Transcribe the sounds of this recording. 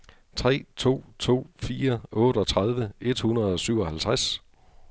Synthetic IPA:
t͡sʰʁɛ̰ːt͡sʰo̝̰ːt͡sʰo̝̰ːfiːɐɔ̽ːɾ̥əɒ̽t͡sʰʁað̞ˠʋəe̝d̥hunɐð̞ˠɒ̽syʊ̰ɒ̽hælt͡sʰʁas

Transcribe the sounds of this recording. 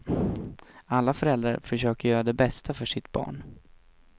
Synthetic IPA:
alːafœɾɛld̪ɾa̰ɾfœʂøːkəɾjœːɾad̪ɛbɛst̪ʰafœʂɪt̪bɑ̰ːɳ

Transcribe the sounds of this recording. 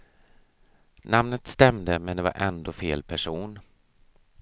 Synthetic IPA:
namnət̪st̪ɛmd̪əmɛnd̪ɛva̰ɾʔɛnd̪oːfeːlpʰæʂuːn

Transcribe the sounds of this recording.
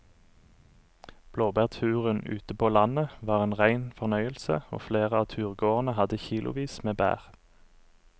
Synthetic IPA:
b̥loːbæʁt̪ʰʉːʁənʉ̰ːt̪əpʰoːlɑnəʋɑːʁeːnʁæɪnfɔʁnœʏəlsə̰o̰ːfleːʁəɑːt̪ʰʉːʁɡoːʁnəhɑd̪əçiːlʊ̰ʋiːsmeːbæ̰ːʁ

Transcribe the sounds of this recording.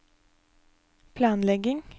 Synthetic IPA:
pʰlɑːnlɛɡɪŋ

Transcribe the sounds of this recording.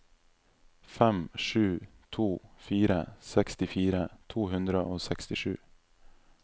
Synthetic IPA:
fɛmʂʉːt̪ʰuːfiːɾəsɛkst̪ɪfiːɾət̪ʰuːɦʉnd̪ɾəʔoːsɛkst̪ɪʂʉ̰ː

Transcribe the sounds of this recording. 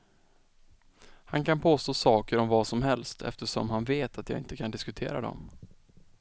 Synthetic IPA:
hankʰanpʰoːst̪oːsɑːkəɾɔmvasɔmɦɛlst̪ʰɛ̰ft̪əʂɔ̰mɦanveːt̪ʰat̪ja̰ːɪnt̪əkʰand̪ɪskɵt̪ʰḛːɾa̰d̪ɔ̰m

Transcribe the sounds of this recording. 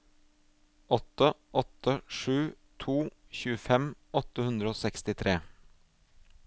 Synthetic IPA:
ʔɔt̪əʔɔt̪əʂʉː | t̪ʰuːçʉːəfɛmʔɔt̪əhʉnd̪ɾəoːsɛkst̪ɪt̪ʰɾeː

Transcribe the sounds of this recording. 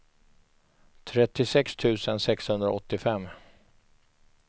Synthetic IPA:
t̪ʰɾɛt̪ːɪsɛkst̪ʰʉ̟ːsənsɛkshɵnd̪ɾa̰ɔt̪ːɪfɛmː

